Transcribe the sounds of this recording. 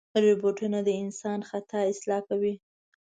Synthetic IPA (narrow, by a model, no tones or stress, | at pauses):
ɾeboʈunad̪əɪnsɑnxat̪ʰɑɪslɑkawi